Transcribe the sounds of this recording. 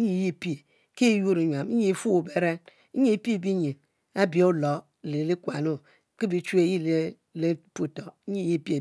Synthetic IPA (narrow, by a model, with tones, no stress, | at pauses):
ɲi˨ji˦˨pi˦˨ | ki˦ju˦ɾi˨˦ɲwa˨m˦i˨fu˦u˨be˨ɾe˦ | i˦˨pi˦˨bi˦ɲi˨n | a˦bi˨˦o˦lo˨˦˨ | le˨˦li˦kwa˨no˦ | ki˦bi˨t͡ʃu˦e˨˦ji˦˨le˦ | le˦pu˦˨to˨˦ɲi˦ji˦˨pi˦e˨